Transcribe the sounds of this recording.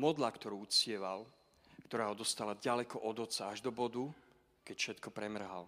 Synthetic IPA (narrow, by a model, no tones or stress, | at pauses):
mɔd̪lakt̪ɔɾuːut͡sɪɛʋal | kt̪ɔɾaːɦɔd̪ɔst̪alaɟalɛkɔʔɔd̪ɔt͡saaʒd̪ɔbɔd̪u | kɛcfʃɛt̪kɔpɾɛmr̩ɦa̰l